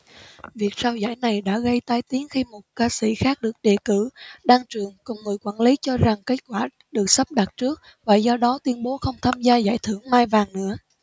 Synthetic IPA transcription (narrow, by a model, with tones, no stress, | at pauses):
vi˨˩ək̚saː˧wza̰ː˧˩jna˨˩jɗa̰ː˧˥ɣə˧jt̪aː˧jt̪i˨˦ənxi˧mo˨˩t̚kaː˧sḭ˧˩xaː˦˥k̚ɗɨ˨˩ək̚ɗe˧˨˩kɨ˧˩ɗaː˧ŋt͡ɕɨ˨˩əŋkʊ˨˩wŋ͡mŋɨ˨˩əjkwa̰ː˧˩nli˨˦t͡ɕɔ˧za˨˩ŋke˦˥t̚kwaː˧˩ | ɗɨ˨˩ək̚sə˦˥p̚ɗa˨˩t̚t͡ɕɨ˦˥ək̚ | vaː˨˩zɔ˧ɗɔ˨˦t̪wi˧ənɓo˨˦xə˧wŋ͡mt̪ʰaː˧mzaː˧za̰ː˧˩jt̪ʰɨ˧˩əŋmaː˧jvaː˨˩ŋnɨ̰˧˥ə